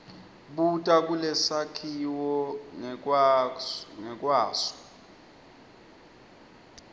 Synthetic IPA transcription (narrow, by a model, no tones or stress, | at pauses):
ɓutʼakʼulɛsakʰiwɔ | ŋɛkʼwaːsɔ̥